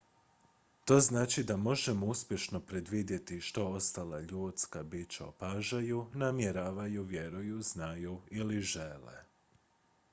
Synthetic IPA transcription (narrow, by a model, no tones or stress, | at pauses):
t̪o̞ːznaːt͡ʃid̪amo̞ʒe̞mouspʲje̞ʃno̞pɾe̞d̪ʋid̪je̞t̪iʃt̪o̞o̞st̪alaʎuːt̪skabit͡ʃaopaʒajunamje̞ɾaːʋajuʋje̞ɾujuznajuiliʒe̞lḛ